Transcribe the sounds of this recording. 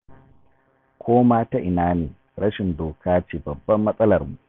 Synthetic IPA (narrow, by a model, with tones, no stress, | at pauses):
kʷʰoː˦maː˦ta˦ʔɪ˨naː˦neː˨ | ɽɐ˦ʃɪ˨ndoː˨kʰaː˦t͡ʃeː˨bɐ˨bːɐ˦mːɐ˦sʼɐ˦lɐ˨rmu˨ʔ